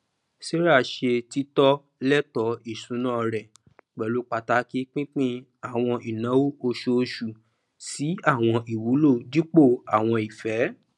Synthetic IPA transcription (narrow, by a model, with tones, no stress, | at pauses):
se˦ɾa˦˨ʃe˧ti˦tɔ˦ | lɛ˦tɔ˨˦i˦˨sũ˨˦nãː˦˧ɾɛ˨ | k͡pɛ˨lu˨˦k͡pa˧ta˧˦ki˦k͡pĩ˦k͡pĩ˦ | a˦˨w̃ɔ̃˧i˨nã˨˦wo˦o˧ʃo˧ʃu˨ | si˨˦a˦˨w̃ɔ̃˧ʔi˨wu˨˦lo˦˨di˦k͡po˦˨a˨w̃ɔ̃˧i˨fɛ˨˦